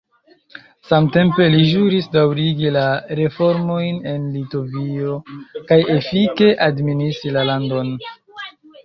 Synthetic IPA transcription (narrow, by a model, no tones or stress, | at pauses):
samte̞mpe̞liʒuɾisdawɾiɡilaɾe̞fo̞ɾmo̞jne̞nlito̞vio̞kaje̞fike̞ʔadministɾilalando̞n